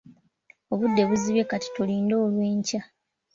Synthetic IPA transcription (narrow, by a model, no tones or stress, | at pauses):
o̞βudːe̞βuziβe̞kati̥tuliːndo̞ːlwe̞ːɲca